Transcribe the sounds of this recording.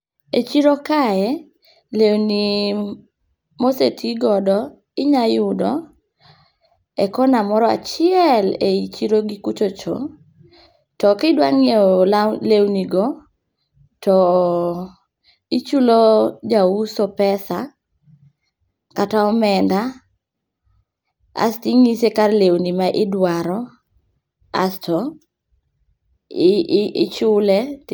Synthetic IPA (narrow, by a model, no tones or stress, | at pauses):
et͡ʃiɾokaɛ | lewni | mosetʰiɡɔdɔ | ɪɲajʊdɔ | ɛkɔnamɔɾɔa̰t͡ʃɪɛleit͡ʃiɾoɡikut͡ʃot͡ʃo̰ | tɔkɪdwaŋellewniɡɔ | tɔ | it͡ʃulod͡ʒausɔpɛsa | kataɔmɛnda | a̰stiŋisekarlewnimaʔɪdwaɾɔ | a̰stɔ | t͡ʃʊlɛ